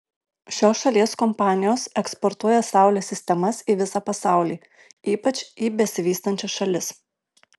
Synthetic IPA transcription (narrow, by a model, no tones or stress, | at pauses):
ʃʲoːsʃɐlʲiɛskɔmpɑːnʲɪjoːsɛkspɔɾt̪uɔjɛsɑˑʊlʲeːsʲɪsʲt̪ʲɛmɐsiːʋʲɪsɑpɐsɑˑʊlʲiː | iːpɐt͡ʃʲiːbʲɛsʲɪʋʲiːst̪ɐnʲt͡ʃʲɛsʃɐlʲɪs